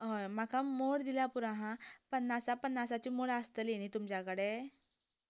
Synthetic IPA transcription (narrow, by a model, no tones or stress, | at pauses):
ɦomakamoɽd̪ilapuɾãɦãpənːasapənːasat͡ɕimoɽast̪əlenit̪umt͡ɕjakəɽe